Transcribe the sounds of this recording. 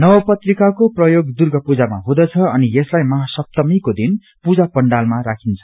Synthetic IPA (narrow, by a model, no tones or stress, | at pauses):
nʌbʌpʌt̪rikakoprʌjoɡd̪urɡʌpud͡zama̰ɦũd̪ʌt͡sʰʌʌnijeslajmʌɦasʌp̚t̪ʌmikod̪in | pud͡zapʌɳɖalmaɾakʰint͡sʰʌ̥